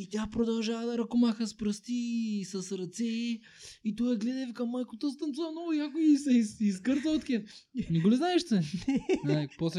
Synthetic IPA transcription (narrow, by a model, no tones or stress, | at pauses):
it̪ʲapɾod̪ɐlˠʒavɐd̪ɐɾɐkomaxɐspɾɐst̪isɐsɾɐt̪sɛi | it̪ɔɛɡlɛd̪ɛvikɐmːajkʊt̪ost̪ɐnsuɐnɔʊjakʊisɛsiskəɾt̪ɐot̪kɛfnɛɡoliznaɛʃt̪ɛnɛnapɔslɛ